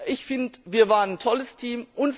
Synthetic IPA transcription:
ʔɪçfɪntviːɐvaːʁənntʰɔləstʰiːmʔʊnt

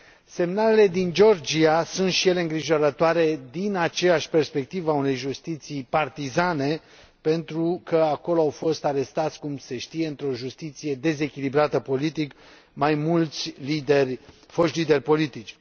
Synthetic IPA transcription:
se̞mnale̞le̞d̪ind͡ʒo̞rd͡ʒiasunt̪ʃije̞le̞ɨŋɡɾiʒo̞ɾət̪oaɾe̞d̪inat͡ʃe̞jaʃʲpe̞rspe̞k̚t̪ivaune̞jʒust̪it̪sijpart̪izane̞ | pe̞nt̪ɾukəako̞loawfo̞st̪aɾe̞st̪at̪sʲkumse̞ʃt̪ije̞ɨnt̪ɾo̞ʒust̪it̪sije̞d̪e̞ze̞kʲilibɾat̪əpo̞lit̪ik | majmult̪sʲlid̪erʲ | fo̞ʃt̪lid̪e̞rʲpo̞lit̪it͡ʃʲ

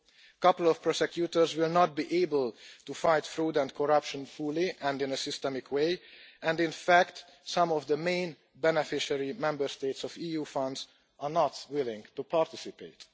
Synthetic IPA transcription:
əkʌpəl̩ɔfpɾosɛkjuːt̪əɹzwɪlnɔt̪̚biːʔeɪbəlt̪ufajt̪fɾuːdɛ̃nd̚kʰɔɾʌpʃə̃nfuliʔɛ̃ndɪ̃nəsɪst̪ɛmɪkʰweɪɛ̃ndɪ̃nfækt̪sʌ̃mɔvd̪əmẽɪ̃n | bɛnɛfɪʃəɹimɛ̃mbəɾst̪eɪt̪sɔfiːjuːfʌ̃nd̪z | ʔanɔt̪wɪlɪ̃ŋɡt̪upaɾt̪ɪsipḛt̪

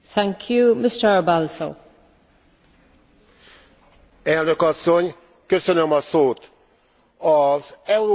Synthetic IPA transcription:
θæ̃ŋkʰjumɪstəɹbalso̰ | ɛlnø̞kɒsːo̞ɲ | kø̞sønømɒsoːt̪ | ɒzɛuɾo

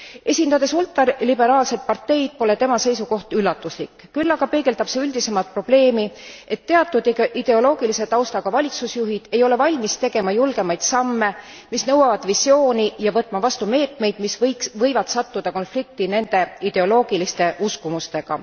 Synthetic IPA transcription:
e̞sʲind̪̥ɑd̪e̞sult̪ˑːɑrlibe̞ɾɑːlse̞d̪̚pɑrt̪ːe̞jd̪̥̚po̞le̞t̪e̞mɑse̞jsuko̞ht̪ylːɑt̪ːˑuslikːˑ | kylːɑɡ̥ɑpe̞ːɡe̞lt̪ɑb̥seylʲd̪̥ise̞mɑlt̪̚pro̞b̥le̞ːmie̞t̪ːe̞ɑt̪ːˑud̪̥id̪̥e̞o̞lo̞ːɡ̥ilise̞t̪ɑwst̪ɑɡ̥ɑvɑlʲit̪susjuɦid̪̥e̞jo̞le̞vɑlʲmist̪e̞ɡ̥e̞mɑjulɡ̥e̞mɑjd̪̥sɑmːe̞ | misnɤwɑvɑd̪̥visʲjo̞ːnijɑvɤt̪ːˑmɑvɑst̪ume̞ːt̪me̞jd̪̥misvɤjksvɤjvɑt̪sɑt̪ːud̪̥ɑko̞nflik̚t̪ine̞nd̪̥e̞id̪̥e̞o̞lo̞ːɡ̥ilist̪e̞ʔuskumust̪e̞ɡ̥ɑ̰

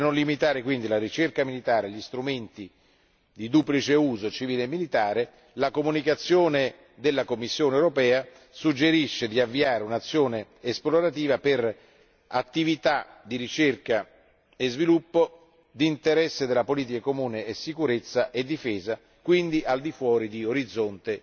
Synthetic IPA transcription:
nonlimit̪aːɾekwind̪ilaɾit͡ʃerkamilit̪aːɾaʎːist̪ɾument̪i | d̪id̪uplit͡ʃeuːzot͡ʃiviːleːmːilit̪aːɾe | lakomunikat̪sːjoːne | d̪elːakomːisːjoːneewɾopɛːa | sud͡ʒːeɾiʃːed̪iavːiaːɾeunat̪sːjoːneː | sploɾat̪iːvaper | at̪ːivit̪ad̪iɾit͡ʃerka | ezvilupːo | d̪int̪eɾɛsːed̪elːapoliːt̪ikakomuːneːsːikuɾet̪sːaʔed̪ːifɛːza | kwind̪iʔald̪ifwɔːɾid̪ioɾid̪zːont̪e

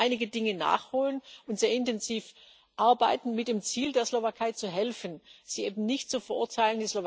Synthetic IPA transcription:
ɪnɪɡədɪŋəna̰ːχhoːlənʔʊntz̥eːɐɪntɛnziːf | ʔaɐbaɪtn̩mɪt̚d̥eːmt͡siːldeːɐslovakʰaɪt͡suɦɛlfən̩z̥iːʔeːbm̩nɪçtt͡sufɛɐʊɐtʰaɪləndislov

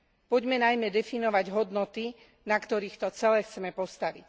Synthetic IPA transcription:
puɟmɛnajmɛd̪ɛfinɔʋaɟɦɔd̪nɔt̪i | nakt̪ɔɾiːxt̪ɔt͡sɛlɛxt͡sɛmɛpɔst̪aʋic

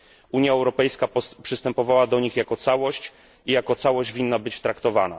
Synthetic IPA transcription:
ʔuɲjaɛwɾɔpɛjskapʂɘst̪ɛmpɔvawad̪ɔɲixjakɔt̪sawɔɕt͡ɕ | ijakɔt̪sawɔʑd͡ʑvʲinːabɘt͡ɕt̪ɾakt̪ɔvana̰

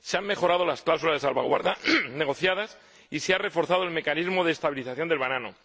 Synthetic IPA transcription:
seamme̞xo̞ɾaðo̞lasklawsulazðe̞salβa̰ɣwa̰ɾðane̞ɣo̞θjað̞as | iseare̞fo̞ɾθaðo̞e̞lme̞kanizmo̞ðeːst̪aβiliθaθjond̪eβanano̞̰

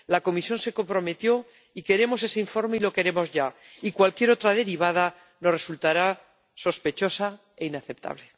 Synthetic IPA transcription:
lako̞misjo̞nse̞ko̞mpɾo̞me̞t̪jo̞ | ike̞ɾe̞mo̞se̞seiɱfo̞ɾme̞ilo̞ke̞ɾe̞mo̞zʝa | ikwalkje̞ɾo̞t̪ɾaðe̞ɾiβ̞að̞a | no̞sre̞sult̪aɾa | so̞spe̞t͡ʃo̞sa | e̞inaθep̚t̪ʰa̰βle̞

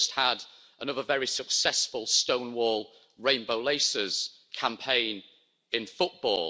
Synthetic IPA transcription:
st̚həd | ənʊðəvɛɹisəksɛsfəlˠstõʊ̃nwɔːlˠ | ɹẽɪ̃nboʊleɪsəz̥kʰãmpʰẽɪ̃n | ɪ̃nfʊʔb̥ɔ̰ːl

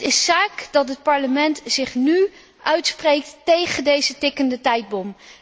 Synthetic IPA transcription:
tɪssaːkd̥ɑtɦət̚pɑɹləmɛntzɪχny | ʔœɥtsprejk̚ttejχəndejzətɪkəndətɛjd̚bɔm

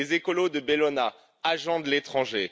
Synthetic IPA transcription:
ezekɔlod̪əbelɔna | aʒɑ̃d̪əlet̪χɑ̃ʒe

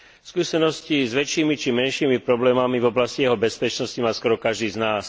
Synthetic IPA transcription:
fskuːsɛnɔscizʋɛt͡ʃiːmit͡ʃimɛnʃiːmipɾɔblɛːmamivɔblascijɛɦɔbɛspɛt͡ʃnɔscimaːskɔɾɔkaʒd̪iːznaːs

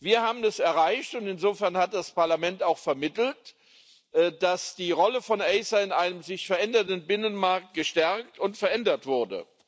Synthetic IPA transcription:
viːɐhaːbm̩ɛsɛɐʁaɪçtʊntɪnzoːfɛɐnhat̚d̥aspaɐlamɛntaʊxfɛɐmɪtl̩t | ʔd̥asd̥iːʁɔləfɔnʔɛɪsaɪnʔaɪnəmzɪçfɛɐʔɛndɐtən̩bɪnənmaɐk̚t̚ɡ̥əʃtɛɐktʊntfɛɐʔɛndɐtv̥ʊɐdə̰

